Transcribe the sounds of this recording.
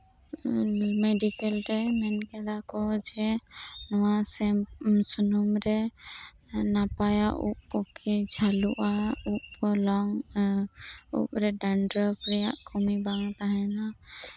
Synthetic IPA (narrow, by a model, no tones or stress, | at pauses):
mɛɖikɛlɾɛmɛnkɛd̪akɔd͡ʒɛnɔwasɛsunumɾɛ | napajaʔṵp̚ɔkʰɛd͡ʒʱaluʔaup̚lɔŋ | ṵp̚ɾɛɖanɖɾɔpɾɛjaʔkʰɔmibaŋt̪aɦɛna